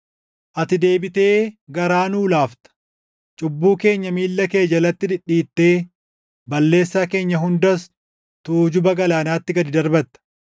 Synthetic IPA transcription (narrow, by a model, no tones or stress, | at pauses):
ʔɐt̪ɪd̪e̞ːbɪt̪e̞ːɡɐɾaːnuːlaːft̪ɐ̥ | t͡ʃʼʊbːuːke̞ːɲːɐmiːlːɐke̞ːd͡ʒɐlɐt̪ːɪd̪ɪᶑːiːt̪ːe̞ː | bɐlːe̞ːsːaːke̞ːɲːɐɦʊnd̪ɐs | t̪uːd͡ʒʊbɐɡɐlaːnaːt̪ːɪɡɐd̪ɪd̪ɐɾbɐt̪ːɐ̥